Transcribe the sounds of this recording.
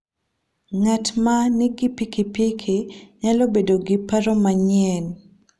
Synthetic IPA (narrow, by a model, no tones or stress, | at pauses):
ŋatmanɪɡipikipikʰiɲalobedoɡɪpaɾɔmaɲɪɛn